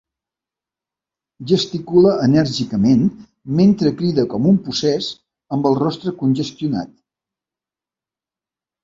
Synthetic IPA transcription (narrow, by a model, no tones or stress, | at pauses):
ʒəst̪ikuləʔːnəɾʒikəmen | ment̪ɾəkɾiðəkɔmumpusɛz | əmbəlˠrɔst̪ɾəkunʲʒəst̪juna̰t̪̚